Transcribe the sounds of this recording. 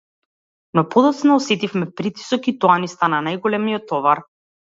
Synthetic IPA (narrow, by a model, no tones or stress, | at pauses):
nɔpɔd̪ɔt̪snaɔsɛt̪ifmɛpɾit̪i̥sɔkit̪ɔanist̪ananajɡɔlɛmijɔt̪ːɔvaɾ